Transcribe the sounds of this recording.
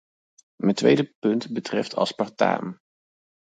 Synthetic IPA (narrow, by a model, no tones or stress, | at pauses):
məntʋḛjdəpɵntbətrɛftʰɑ̰lˠspɑɹta̰ːm